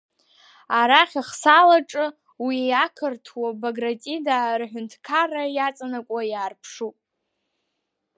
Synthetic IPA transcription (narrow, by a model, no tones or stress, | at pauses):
aɾaχʲaχsalaʈ͡ʂʼɨ | wiakʰɨrtʰwabaɡratʼidarħʷᶣʊntʰkʰarajat͡sʼanakʷʼajaːrpʰʂupʼ